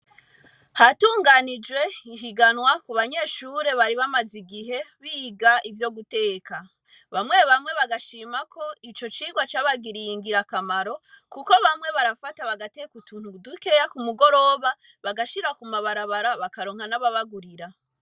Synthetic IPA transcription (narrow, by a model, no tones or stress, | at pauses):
hatuːŋɡanid͡ʒwe̞iɦiɡanwakuβaɲe̞ːʃuɾe̞βaɾiβamaziɡiɦe̞βiːɡaivjo̞ɡute̞ːka | βamŋe̞βamŋe̞βaɡaʃiːmako̞it͡ʃo̞t͡ʃiːɡwat͡ʃaːβaɡiɾijiŋɡiɾakamaɾo̞kuko̞βamwe̞βaɾafataβaɡatekutuːn̥udukiɾejakumuɡo̞ɾo̞βa | βaɡaʃiɾakumaβaɾaβaɾaβakaɾoːŋhanaβaβaɡuɾiɾa